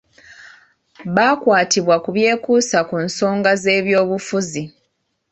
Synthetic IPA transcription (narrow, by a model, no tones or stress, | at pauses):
βaːkwaːtiβwakuβje̞ːkuːsakunso̞ːŋɡaze̞ːβjo̞ːβufuzi